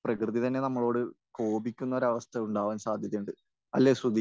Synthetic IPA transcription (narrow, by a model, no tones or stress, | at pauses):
prɐkrɨðit̪ɐnːe̞nɐmːɐɭo̞ːɽɨko̞ːbikʲːunːɐo̞ɾɐʋɐst̪ʰɐuɳɖaːʋaːnsaːd̪ʱjɐðɐjuɳɖɨ | ɐlːeːsud̪